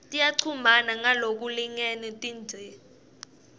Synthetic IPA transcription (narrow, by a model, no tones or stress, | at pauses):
tʼijaǀʰumanaŋalok̬uliŋɛnɛtʼiːnd͡ʒʱɛ